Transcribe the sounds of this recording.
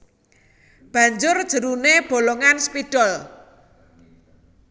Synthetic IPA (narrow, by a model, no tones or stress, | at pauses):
b̥ä̤ɲd͡ʒʊrd̥ʒ̥ə̤ɾuneb̥o̤loŋanspid̥ɔl